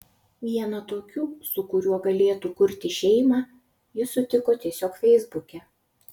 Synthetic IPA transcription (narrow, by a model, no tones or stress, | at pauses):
ʋʲiɛnɐt̪oːkʲuːsʊkʊɾʲuɔɡɐlʲeːt̪uːkʊɾʲt̪ʲɪʃʲɛɪmɑː | jɪsʊt̪ʲɪkoːt̪ʲiɛsʲoːkfʲɛɪzbʊkʲɛ